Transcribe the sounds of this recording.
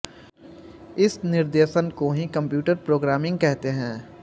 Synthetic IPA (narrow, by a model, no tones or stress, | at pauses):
ɪsnɪɾd̪eːʃənkoɦikɐ̃mpjuːʈəɾpɾoːɡɾaːmɪ̃ŋɡ̚kɛɦt̪eɦɛ̃ː